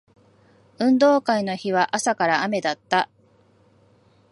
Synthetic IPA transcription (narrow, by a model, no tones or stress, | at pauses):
ɯ̟̃nd̪o̞ːkaino̞çiβ̞aʔasakaɾaame̞d̪at̪ːa